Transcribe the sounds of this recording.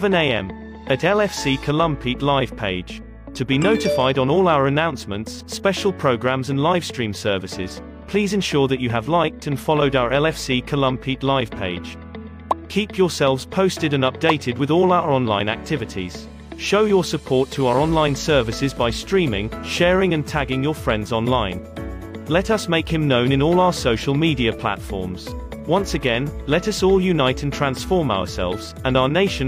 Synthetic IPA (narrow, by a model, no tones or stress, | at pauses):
və̃neɪɛ̰̃m | ətɛlɛfsiːkʰəlʌ̃mpʰiʔlaɪv̥pʰeɪd̥ʒ̥ | tʰəbinoʊtɪfaɪɾn̩ɔːlˠaʊəɹənãʊ̃nsmə̃nts | pɛʃəlˠpʰɹ̥əʊɡɹæ̃mzə̃nlaɪv̥stɹ̥ĩːmsɜ˞vɪsɪ̰z̥ | pʰl̥iːzɨ̃nʃɔɹðət͡ʃəːvlaɪk̚tʰə̃nfɑlˠoʊɾaʊəɹɛlɛfsiːkʰəlʌ̃mpʰiˑʔlaɪv̥pʰeɪd̥ʒ̥ | kʰiˑpʰjə˞sɛlˠvz̥pʰəʊstɪɾə̃nʌp̚d̥eɪtʰɪd̚wɪðɔːlˠaʊə˞ɒ̃nlã̰ɪ̃næ̰k̚tʰɪvɪtʰḭz̥ | ʃoʊjə˞səpʰɔɹtʰəaʊə˞ɒ̃nlãɪ̃nsɜ˞vɨsɪzbaɪstɹ̥ĩmɪ̰̃ŋʃɛːɹɪ̃ŋɨ̃ntʰæɡɪ̃ŋjə˞fɹɛ̃ndzɒ̃nlãɪ̃n | lɛɾʌsmeɪkhɨ̃mnõʊ̃nɨ̃nɔːlˠaʊə˞soʊʃəl̩ˠmiɾiɨpʰl̥a̰tfɔ̰ɹmz̥ | wʌ̃nsɨɡɛ̃nlɛɾʌsɔlˠjʉnaɪtɨ̃n̩tʰɹ̥æ̃nsfɔɹmaʊə̰˞sɛ̰lˠvz̥ə̃naʊəneɪʃə̃